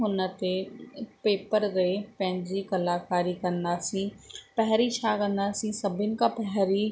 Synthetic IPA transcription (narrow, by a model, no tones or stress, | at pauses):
ɦʊnət̪epeːpəɾɾeepɛ̃ɦɪ̃ɲd͡ʑikɐlaːkaːɾikɐ̃nd̪aːsĩːpɛɦɾit͡ʃʰaːkə̃nd̪aːsĩːsɐbʱɪnɪ̆kapɛɦɾiː